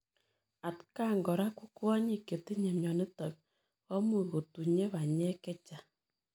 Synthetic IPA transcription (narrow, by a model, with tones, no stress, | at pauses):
a˨tka˦ŋɡɔ˨ɾa˦ku˦kwɔ˦ɲi˨ke˨ti˦ɲɛ˨mjɔ˨ni˦tɔ˨k̚ | ɔ˦mu˦˨ɣo˨tu˨ɲe˦βa˨ɲɛ˦kɛ˦t͡ʃa˨